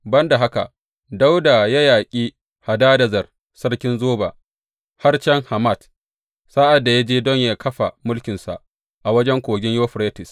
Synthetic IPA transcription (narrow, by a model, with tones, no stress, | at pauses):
bɐ˦nda˨ɦa˦ka̰˨ʔ | da˦wda˨ja˦jaː˨kʲʼiː˦ | ha˨daː˦dɐ˨zɐ˨r | sɐ˦rkʲɪ˦nzoː˦ba̰˨ | ha˦rt͡ʃɛ˦ŋha˨ma˦˨t | saː˦ʔa˨dːa˨ja˦d͡ʒeː˦dɔ˦ɲjaː˦kʰɐ˦ɸa˨mʊ˦lkʲɪ˨nsa̰˨ʔ | ʔa˨wɐ˦d͡ʒɛ˦ŋkʷoː˨ɡʲɪ˦ɲjoː˦ɸɾeː˦tɪ˨s